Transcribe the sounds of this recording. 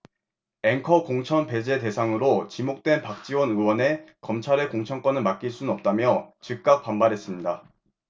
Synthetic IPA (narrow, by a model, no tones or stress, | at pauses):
e̞ŋkʰʌkoŋt͡ɕʰʌnpe̞d͡ʑe̞te̞sʰaŋɯɾot͡ɕimok̚t͈we̞npak̚t͡ɕ͈iwʌnɯwʌne̞kʌmt͡ɕʰaɾekoŋt͡ɕʰʌnk͈ʌnɯɭmak͈̚iɭs͈unnʌp̚t͈amjʌt͡ɕik̚k͈ak̚p͈ambaɾɦe̞s͈ɯmɲida